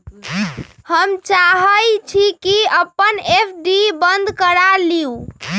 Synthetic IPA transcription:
həmt͡ʃaɦəjt͡ʃʰikiəpːənepʰɖibənd̪ʱkəɾaliu

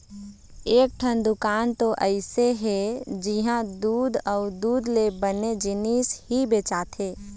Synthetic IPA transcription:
eːk̚ʈʰənd̪ʊkaːnt̪oʔəɪseɦed͡ʒiɦãd̪uːd̪ʱəʊd̪uːd̪lebəned͡ʒɪniːshibeːt͡ʃat̪ʰeː

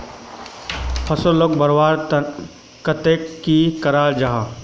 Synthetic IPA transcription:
pʰɐsolok̚bɐɾwaːɾ | kɐt̪eːkːikɐɾaːɾd͡ʒaɦa

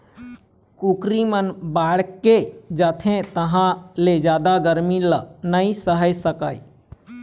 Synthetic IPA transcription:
kukɾimənbaɽked͡ʒət̪ʰẽt̪əɦãled͡ʒaːd̪aɡəɾmilənəisəɦəd͡ʒsəkaj

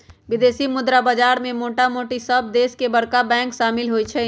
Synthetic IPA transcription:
ʋɪd̪eːsimʊd̪ɾabaːd͡ʒaːɾmẽmoːʈamoːʈisəb̚d̪eːskebɐɽkabɛ̃ːŋkʃaːmɪlɦoit͡ʃʰɛ

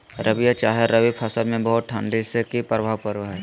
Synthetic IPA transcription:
ɾəbijat͡ʃaːɦeɾəʋipʰɐsəlmẽbəɦʊt̪̚ʈʰãːɳɖisekipɾəbʱaːwpəɾʋɦɛː

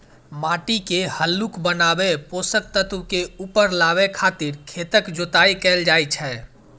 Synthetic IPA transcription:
maːʈikehəlːukbənabeposək̚t̪ət̪wkeuːpəɾlabekʰat̪iɾkʰet̪əkd͡ʒot̪aikɛld͡ʒajt͡ʃʰɛ

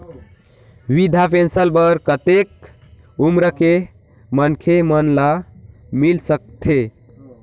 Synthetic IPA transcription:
ʋid̪ʱapʰensəlbəɾkət̪ek | umɾəke | mənkʰemənla | milsək̚t̪ʰe

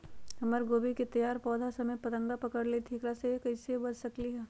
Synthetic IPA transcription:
ɐməɾɡoːbiket̪ɐjaːɾpɔːd̪ʱasɐməjpɐt̪ə̃ŋɡapɐkəɾlet̪ʰikɾasekɐɪsebɐd͡ʒsɐkliɦɛː

